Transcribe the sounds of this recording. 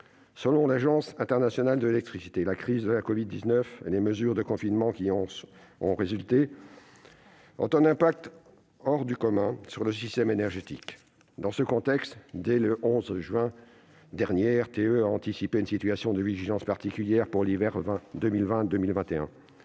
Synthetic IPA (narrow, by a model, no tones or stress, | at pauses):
səlɔ̃laʒɑ̃sɛ̃t̪ɛʁnasjɔnald̪əlelɛk̚t̪χisi̥t̪elakχizd̪əlakɔvid̪ːiznœfḛleməzyʁd̪əkɔ̃finmɑ̃kʲiɔ̃ɔ̰̃ʁezylt̪e | ɔ̰̃t̪ɛ̃nɛ̃pak̚t̪ | ɔʁd̪ykɔmɛ̃syʁləsist̪ɛmenɛʁʒet̪ḭk | d̪ɑ̃səkɔ̃t̪ɛkst̪d̪ɛləʔɔ̃zʒɥɛ̃ | d̪ɛʁnjeɛʁt̪eøaɑ̃t̪isipeynsit̪yasjɔ̃d̪əviʒilɑ̃spaʁt̪ikʲyljɛʁpuʁlivɛʁvɛ̃d̪ømilvɛ̃d̪ømilvɛ̃t̪eɛ̃